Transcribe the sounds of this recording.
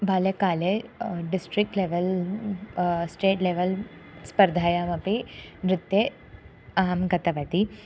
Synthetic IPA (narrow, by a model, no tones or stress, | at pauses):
bʱaːlekaːleɖisʈɾik̚ʈleːʋel | sʈeːʈleːʋɐl | spɐɾd̪ʱaːjamɐpinɾɪt̪ːje | aːɐmɡɐt̪ɐʋɐt̪i